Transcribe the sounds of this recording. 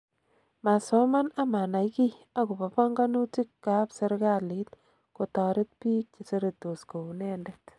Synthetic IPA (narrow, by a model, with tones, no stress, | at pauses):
ma˨sɔ˦ma˦na˦ma˨na˨jki˦a˦ɡʊ˨pa˨pɔ˦ŋɡa˦nu˦ti˦kːa˦pse˦ɾɡa˦li˦t | ko˨tɔ˨ɾɪ˦t̪̚piː˦k̚t͡ʃe˨se˦ɾe˨to˨sko˨u˨nɛ˦ndɛ˦t